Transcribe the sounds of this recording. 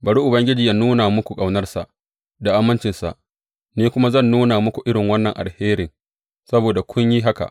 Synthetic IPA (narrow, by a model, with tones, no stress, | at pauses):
bɐ˨ɽu˦ʔʊ˨bɐ˦ŋɡʲɪ˦d͡ʒiː˨ja˦nuː˦na˨mʊ˦kʷu˨kʼa˨wnɐ˦rsa˨ʔ | da˨ʔa˦mːɐ˦nt͡ʃɪ˨nsa̰˨ʔ | neː˦kʷʊ˦ma˦zɐ˦˨nːuː˦naː˨mʊ˦kʷu˨ʔɪ˦ɽɪ˨ŋwɐ˦nːɐ˨ŋʔa˨lheː˦ɾɪ˨ŋ | sɐ˦boː˨da˨kʷʰʊ˦ɲji˦ɦa˦ka̰˨ʔ